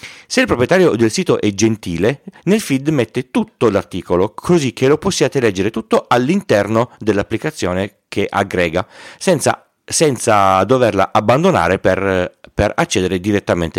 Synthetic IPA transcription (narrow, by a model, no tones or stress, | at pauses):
seilpɾopɾjet̪aːɾjod̪elsiːt̪oʔɛd͡ʒent̪iːlenelfid̪met̪ːet̪ut̪ːolart̪iːkolokʰozikʰːeloposːjaːt̪elɛd͡ʒːeɾet̪ut̪ːoʔalːint̪ɛrnod̪elːapːlikat̪sːjoːne | kʰeʔa̰ɡɾɛːɡasɛnt̪sa̰ | sɛnt̪sad̪overla̰ʔabːand̪ona̰ːɾeperperat͡ʃːeːd̪eɾed̪iɾet̪ːamḛnt̪e